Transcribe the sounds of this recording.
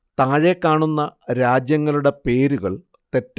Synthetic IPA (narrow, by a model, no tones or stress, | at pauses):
t̪aːɻekːaːɳunːɐɾaːd͡ʑjɐŋːɐluɽe̞pe̞ːɾuɣɐɭ | t̪e̞tː